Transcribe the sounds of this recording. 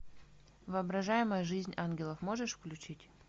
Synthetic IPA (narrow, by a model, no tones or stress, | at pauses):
vɨɐbɾɐʐajɪməjəʐɨzʲnʲanɡʲɪlˠəfmoʐɨʂfklʲʉt͡ɕitʲ